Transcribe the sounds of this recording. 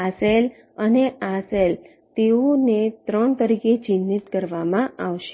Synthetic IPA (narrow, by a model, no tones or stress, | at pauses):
asel | əneasel | t̪eonet̪ɾəɳt̪əɾiket͡ɕinːit̪kəɾʋamãaʋʃe